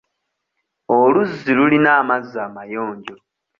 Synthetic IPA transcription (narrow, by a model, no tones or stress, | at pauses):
oluzːilulinaːmazːaːmajoːɲɟo̞